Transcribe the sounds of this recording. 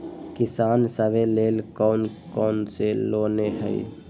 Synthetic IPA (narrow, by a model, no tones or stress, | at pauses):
kɪsaːnsəbeleːlkɔːnkɔːnseloːneɦə̰ḭ